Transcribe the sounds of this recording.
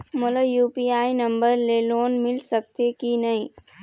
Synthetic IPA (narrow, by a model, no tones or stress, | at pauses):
mʊlajuːpiaːinɐ̃mbəɾleloːnmɪlsək̚t̪ekinɐɦĩː